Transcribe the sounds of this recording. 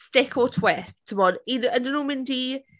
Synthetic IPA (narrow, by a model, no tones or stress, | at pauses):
stɪkʰɔtʰwɛstʰːəbɔdinəndənuːmɪndi